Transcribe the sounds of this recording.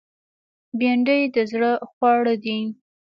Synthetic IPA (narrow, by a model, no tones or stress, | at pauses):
beɳɖəjd̪əzɽəxwɑɽəd̪i